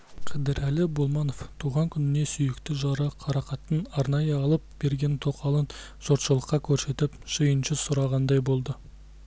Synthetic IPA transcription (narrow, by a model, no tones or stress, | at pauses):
qʰɑd̪ɪɾʔælɪbolˠmɑno̞ft̪ʰuʁɑŋkʲʰʏnɪne̞sʏjɪkt̪ɪʒɑɾəqʰɑɾɑqɑt̪ːənɑɾnɑjəɑlˠəp̚b̥e̞ɾɡʲe̞nt̪ʰo̞qʰɑlˠən | ʒ̥oɾt̪ʃəlˠəqːɑkʲʰɵɾse̞t̪ɪpʒ̥əjənʃəsʊɾɑʁɑnd̪ɑjbo̞lˠd̪ə